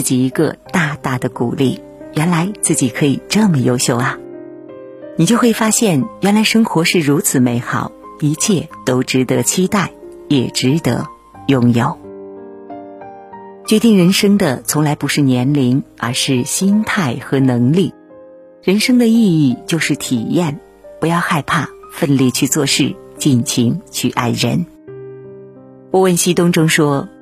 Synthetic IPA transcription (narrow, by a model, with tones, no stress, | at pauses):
t͡ɕi˨˩i˧˥ɡə̰˧t̪a˥˧t̪a˥˩d̪ə˩ku˨˩li˥˩ | ɥɛ˧˥nla˧˥ɪt͡sɹ̩˥˩t͡ɕi˨˩kʰɤ˧˥i˨˩ʈ͡ʂɤ˥˩mə˨˩jo˥ʊɕjo˥˩ʊɐ˩ | ni˨˩t͡ɕjo˥˧ʊxwe˥˩ɪfa˥ɕjɛ˥˩nɥɛ˧˥nla˧˥ɪʂɤ˥ŋxwɔ˧˥ʂɻ̩˥˩ɻu˧˥t͡sʰɹ̩˨˩me˧˥ɪxɑ˨˩˦ʊ | i˧˥t͡ɕʰjɛ˥˩t̪o˥ʊʈ͡ʂɻ̩˧˥t̪ɤ˧˥t͡ɕʰi˥t̪a˥˩ɪ | jɛ˨˩ʈ͡ʂɻ̩˧˥t̪ə̰˧˥ | jʊ˥˩ŋjo˨˩ʊ | t͡ɕɥɛ˧˥t̪i˥˩ŋɻə˧˥nʂɤ˥ŋd̪ə˨t͡sʰʊ˧˥ŋla˧˥ɪpu˧˥ʂɻ̩˥˩njɛ˧˥nli˧˥ŋə̰˞˧˥ʂɻ̩˥˩ɕi˥nt̪ʰa˥˩ɪxɤ˧˥nɤ˧˥ŋli˥˩ | ɻə˧˥nʂɤ˥ŋd̪ə˨i˥˧i˥˩t͡ɕjo˥˧ʊʂɻ̩˥˩t̪ʰi˨˩jɛ˥˩n | pu˧˥jɑ˥˧ʊxa˥˧ɪpʰa˥˧fə˥˧nlɛ˥˧t͡ɕʰy˥˧t͡swɔ˥˧ʂɻ̩˥˩t͡ɕi˥˩nɕʰi˧˥ŋt͡ɕʰy˥˧ʔa˥˩ɪɻə̰˧˥n | wɔ˥˩wə˥˩nɕi˥t̪ʊ˥ŋʈ͡ʂʊ˥ŋʂwɔ˥